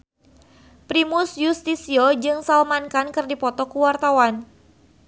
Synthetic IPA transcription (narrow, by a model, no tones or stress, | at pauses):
pɾimusjust̪isiod͡ʒɨŋsalmankankɨrdipɔt̪ɔkuwart̪awan